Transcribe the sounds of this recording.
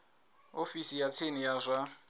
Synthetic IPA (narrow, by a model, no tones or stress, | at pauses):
ofisijat͡sʰenijazʷa